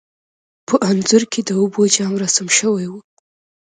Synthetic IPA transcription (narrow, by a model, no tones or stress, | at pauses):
pʰəʔanzʊɾked̪əubod͡ʒɑŋɾasamʃəwajwu